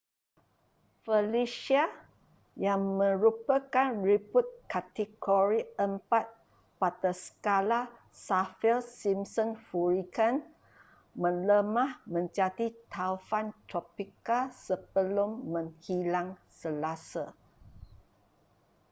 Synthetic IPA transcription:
fəliʃia | jaŋmə̃ɾupəkanɹiput̪̚kat̪iɡoɹiəmpat̪̚ | pat̪əsə̥kala | safɛlsimsɔ̃nfuɹikan | mə̃ləmãhmə̃ɲd͡ʒadit̪ʰafant̪ɾɔpikalsəb̥əlʊmːə̃ŋhilaŋsəlasa

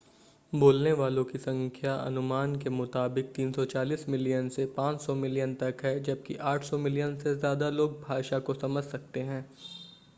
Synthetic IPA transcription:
boːlneʋaːlõkisɐ̃ŋkʰjaʔɐ̰nʊmaːnkemʊt̪aːbɪk̚t̪iːnsɔt͡ʃaːliːsmɪlijənsepãːt͡ʃsɔmɪlijənt̪ɐkɦɛd͡ʒɐb̚kiʔaːʈʰsɔmɪlijənsezjaːd̪aloːɡ̚bʱaːʃakosɐməd͡ʒʱsɐk̚t̪eɦɛ̃ː

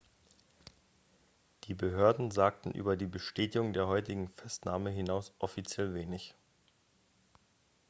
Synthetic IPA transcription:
d̥iːbəɦøːɐdn̩zaːk̚tn̩ʔy̰ːbɐdiːbəʃteːtɪɡʊŋdeːɐɦɔʏtɪɡŋ̩fɛstnaːməɦɪnaʊsʔɔfit͡sjɛlveːnɪç

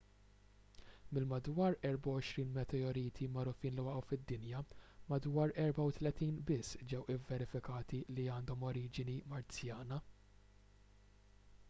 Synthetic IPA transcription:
mɪlmɐd̪wɐːɾɛɾbɐwɔʃɾiːnmɛt̪ɛɔɾiːt̪ʰimɐɾʊfiːnlɪwɐʔɐwfɪd̪ːɪnjɐmɐd̪wɐːɾɛɾbɐwt̪lɛt̪iːnbɪsːd͡ʒɛwɪvːɛɾɪfɪkɐːt̪iliɐːnd̪ɔmɔɾiːd͡ʒɪnimɐɾt͡sjɐːnɐ

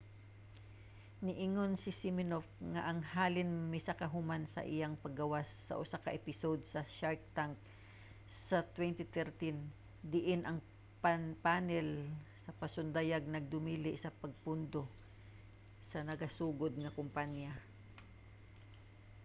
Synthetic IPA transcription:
nɪʔɪŋonsɪsimɪnofŋaʔɐŋhaːlɪnmɪsakɐɦʊmansɐ̰ʔɪjaŋpɐɡɐwasːɐ̰ʔʊsakɐʔɛpɪsod̪sɐʃaɹk̚t̪aŋk̚ | sɐt̪wɛnt̪ɪt̪ɛɹt̪in | d̪ɪʔɪnʔɐŋ | papaːnɛlsɐpɐsʊnd̪ajaɡ̚nɐɡ̚d̪ʊmilɪʔsɐpɐɡ̚pʊnd̪o̞ | sɐnɐɡɐsuːɡod̪̚ŋɐkʊmpanja

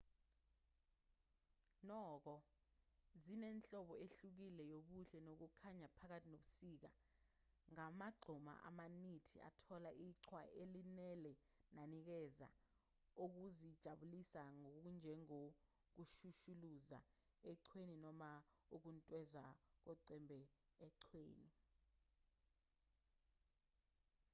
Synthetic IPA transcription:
nɔːk̬ɔ | zinɛnt͡ɬʼɔɓɔeɬuk̬ilɛjoɓuɬɛnok̬ukʰaɲapʰak̬atʰinoɓusiːk̬a̰ | ŋamaɡ͡ǀʱuma̰ʔa̰manitʰia̰tʰɔlaʔiǀʰwaʔelinɛlɛ | nanik̬ɛza̰ | uk̬uzid̥ʒ̥ʱaɓulisaŋokund͡ʒʱɛŋo | k̬uʃuʃuluza̰ | ɛǀʰweninɔmauk̬untʼwɛzak̬ɔǀɛmbʱɛ | ɛǀʰwḛːni

